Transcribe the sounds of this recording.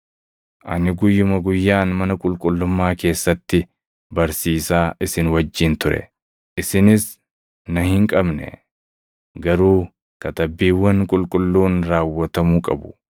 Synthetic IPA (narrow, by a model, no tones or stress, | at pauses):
ʔɐ̰nɪɡʊjːʊmɐɡʊjːaːnmɐnɐkʼʊlkʼʊlːʊmːaːke̞ːsːɐt̪ːɪ | bɐɾsiːsaːʔɪsɪnwɐd͡ʒːɪnt̪ʊɾɛ̰ | ʔɪsɪnɪs | nɐhɪŋkʼɐbnɛ̰ | ɡɐɾuː | kɐt̪ɐbːiːwːɐŋkʼʊlkʼʊlːuːnɾaːwːɐt̪ɐmuːkʼɐbʊ̥